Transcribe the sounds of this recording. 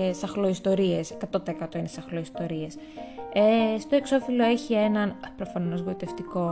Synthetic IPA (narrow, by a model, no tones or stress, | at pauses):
esɐxloist̪o̞ɾie̞skɐt̪ot̪eekɐt̪o̞inesɐxloist̪o̞ɾies | est̪o̞e̞kso̞filo̞eçie̞nɐnpɾo̞fɐno̞zɣoit̪e̞ft̪iko̞